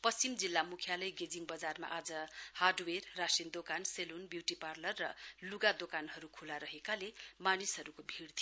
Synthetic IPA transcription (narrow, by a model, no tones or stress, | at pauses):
pʌst͡simd͡zilːamukʰjalʌjɡed͡ziŋbʌd͡zarma̰ʔad͡zʌharɖwerːasind̪okanselonbjuwʈiparlʌrːʌluɡad̪okanɦʌɾukʰulaɾʌɦekalemanisɦʌɾukobʱiɽt̪ʰijo